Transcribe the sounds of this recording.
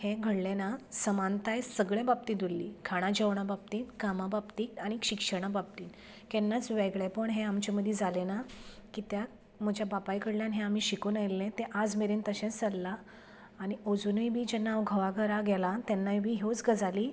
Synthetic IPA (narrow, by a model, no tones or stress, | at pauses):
hẽɡʱəɽlenasəmant̪ajsəɡɭjãbab̚t̪iːd̪ulːiːkʰaɽ̃ad͡ʑəʋɳ̃abab̚t̪iːnkamababt̪iːkaɽ̃ikɕikʂəɽ̃abab̚t̪iːn | kɛnːat͡sʋeɡɭepəɳɦeamt͡ɕeməd̪ʱjed͡zalenakit̪ja | m̤əd͡ʑʱjabapajkəɽljanɦẽamiːɕikuːnajlːẽt̪eʔad͡zmeɾiːnt̪əɕẽt͡st͡səlːaː | ɽ̃iod͡zunəjbʱiːd͡ʑɛnːaːʋɡʱəʋaɡʱəɾaɡɛlat̪ɛnːajbʱiːɦot͡sɡəd͡zaliː